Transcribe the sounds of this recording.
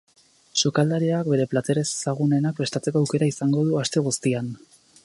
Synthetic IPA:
sukald̪aɾiak̚be̞ɾe̞plat̪e̞ɾe̞ssaɣ̞une̞nak̚pest̪at͡se̞ko̞awke̞ɾaisaŋɡo̞ð̞uast̪e̞ɣ̞ust̪ian

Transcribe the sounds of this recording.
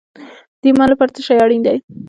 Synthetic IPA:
d̪̥emalapaɾt̪əʃajaɽind̪aj

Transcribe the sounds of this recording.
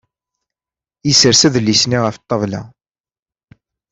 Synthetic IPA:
jisəɾsæðəlːisniʁəfət̪ˤːəvlæ̰

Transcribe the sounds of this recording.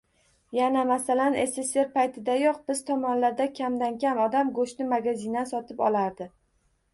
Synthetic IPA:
janamasalane̞sese̞ɾpʰajt̪ʰɪd̪ajɒqbɪz̥t̪ʰɒmɒnlaɾd̪akʲʰamd̪ankʲamɒd̪amɡoʃnɪmaɡʲazinasɒt̪ʰɪpɒ̰lˠaɾd̪ɪ

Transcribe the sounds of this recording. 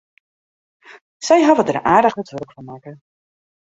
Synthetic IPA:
sɛjɦɑvədəraːdəχətʋɵləkfɔnmaːkə

